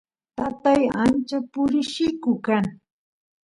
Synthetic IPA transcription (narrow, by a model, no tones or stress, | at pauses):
t̪at̪ajant͡ʃapʊɾɪʃɪkʊkaŋ